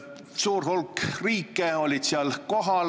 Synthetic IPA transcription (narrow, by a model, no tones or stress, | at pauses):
suːrhulkriːkːˑeo̞lʲid̪siɑlko̞ɦɑl